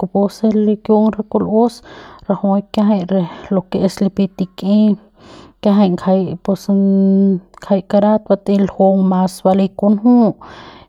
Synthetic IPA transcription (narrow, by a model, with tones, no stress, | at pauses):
ko˧po˧se˦li˧kjo˧ŋɾa˧ko˧lo˦sɾa˧ho˧˦kja˦ɦa˧jɾe˧lo˧kee˧sli˧pi˧t̪i˧kʼi˦ | ka˦ɦa˧jŋkʰa˧jpe˧sŋ | kʰa˧jka˧ɾa˦t̪̚ba˧t̪i˧lho˧ŋma˧sba˧li˧ku˧nɦũ˦ʔ